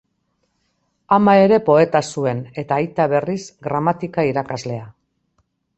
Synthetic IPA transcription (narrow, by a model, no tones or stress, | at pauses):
amae̞ɾe̞po̞e̞t̪asue̞ne̞t̪aːjt̪aβe̞risɡɾamat̪ikaiɾakazle̞a